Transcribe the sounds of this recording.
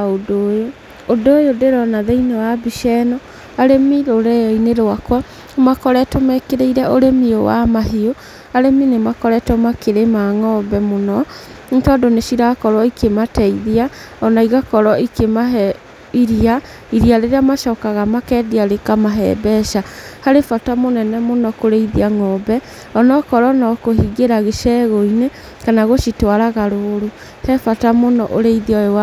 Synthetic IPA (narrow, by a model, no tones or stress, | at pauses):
aodoːjo | odojodeɾɔnaðɛinewabiʃɛnɔ | aɾemiɾoɾɛjɔineɾowakwa | makɔɾɛtomɛkeɾeiɾɛoɾemiowa̰maɦio | aɾeminemakɔɾɛtɔmakeɾemaŋɔbɛmonɔ | tɔdonesiɾakɔɾwɔikematɛiðia | ɔnaiɣakɔɾɔikemaɦɛ | iɾia | iɾiaɾeɾeamaʃɔːkaɣamakɛdiaɾekamaɦɛ̰bɛʃahaɾefatamonɛnɛmonɔkoɾeiðiaŋɔbɛ | ɔnɔkɔɾɔnɔkohiɡeɾaɣeʃɛɣoine | kanaɣoʃitwaɾaɣaɾoɾu | hɛfatamonɔ̰ʔoɾeiðiɔewa